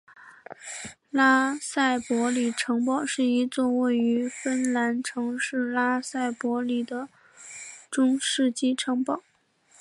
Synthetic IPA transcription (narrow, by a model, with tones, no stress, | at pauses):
la˥sa˥˩ɪpwɔ˧˥li˨˩ʈ͡ʂʰɤ˧˥ŋpɑ˥˩ʊʂɻ̩˥˩i˧˥t͡swɔ˥˧we˥˩ɪy˧˥fə˥nla˧˥nʈ͡ʂʰɤ˧˥ŋʂɻ̩˥˩la˥sa˥˩ɪpwɔ˧˥li˨˩d̪ə˦ | ʈ͡ʂʊ˥ŋʂɻ̩˥˧t͡ɕi˥ʈ͡ʂʰɤ˧˥ŋpɑ˥˩˦ʊ